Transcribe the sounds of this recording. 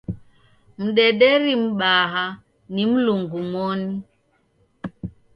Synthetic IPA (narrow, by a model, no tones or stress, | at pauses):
m̩ɗɛɗɛɾim̩ɓaɦa | nim̩luŋɡumɔni